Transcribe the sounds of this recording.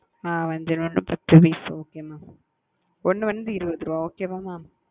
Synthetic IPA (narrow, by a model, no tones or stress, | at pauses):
aːʋɐɲd͡ʒɐnɐnːɯ̰pɐt̪ːɯʋiːsoːkeːmãː | ɔnːɯ̃ʋɐnd̪ɯɪɾɯʋɐd̪ɾõoːkeːmaːmaː